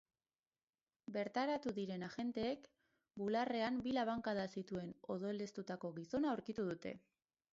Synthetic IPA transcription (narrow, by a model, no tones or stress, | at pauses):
be̞ɾt̪aɾat̪uðiɾe̞naʝe̞nt̪e̞ːk | bulare̞ambilaβaŋkaðasit̪ue̞no̞̰ðo̞le̞st̪ut̪ako̞ɣiso̞naouɾkit̪uðut̪e̞̰